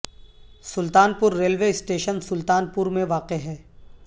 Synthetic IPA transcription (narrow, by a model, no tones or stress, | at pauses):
sʊlt̪aːnpʊɾːeːlʋeːɪsʈeːʃənsʊlt̪aːnpʊɾmẽʋaːqeɦɛː